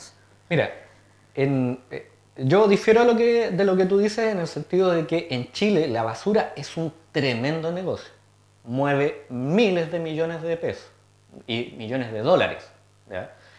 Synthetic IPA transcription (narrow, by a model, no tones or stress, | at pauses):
miɾa̰ | ene | ɟ͡ʝo̞ðifje̞ɾoaloked̪elo̞ket̪̬uðisesenelse̞nt̪iðoð̞ekeʔent͡ʃilelaβasuɾae̞sunt̪ɾe̞me̞nd̪oneɣo̞sjo | mwe̞βemilezðe̞miʝo̞nezðepeso̥s | imiʝo̞nezðe̞ð̞o̞la̰ɾḛs | ja̰